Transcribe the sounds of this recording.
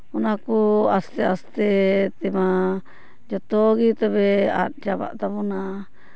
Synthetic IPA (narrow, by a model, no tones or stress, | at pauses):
unãkuast̪east̪et̪emã | d͡ʒat̪oɣit̪oβea̰d͡ʒaβa̰ʔt̪aβunã